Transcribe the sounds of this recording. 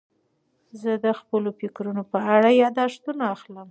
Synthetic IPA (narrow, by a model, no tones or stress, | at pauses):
zəd̪əxpəlofɪkɾunopəaɽajɑd̪ɑʂt̪unaaxləm